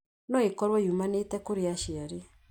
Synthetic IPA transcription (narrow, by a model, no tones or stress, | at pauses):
nɔekɔɾwɔiumanetɛkoɾeaʃiaɾe